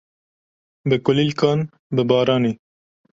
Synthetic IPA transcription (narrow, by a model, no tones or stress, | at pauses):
bɨkʊlilkɑːn | bɨbɑːɾɑːneː